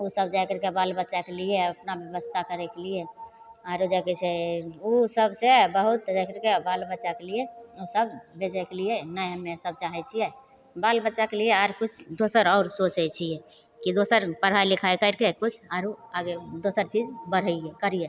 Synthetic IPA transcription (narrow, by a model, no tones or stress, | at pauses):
usəb̚d͡ʒajkəɾkebalbəːt͡ʃakelieəpnabjəbəst̪ʰakəɾɛkelije | aɾod͡ʒaket͡ʃʰeosəbsebəɦut̪d͡ʒakəɾkebalbəːt͡ʃakelijeosəbbed͡ʒɛkelijenajɦəmːesəb̚t͡ʃaɦɛt͡ʃʰijɛ | balbəːt͡ʃakelieaɾkut͡ʃʰd̪osəɾɔʊɾsot͡ʃɛt͡ʃʰijɛ | kid̪osəɾpəɽ̤ailikʰaekəɾkekut͡ʃʰaɾoaɡed̪osəɾt͡ʃid͡ʒbəɽ̤əiɛkəɾije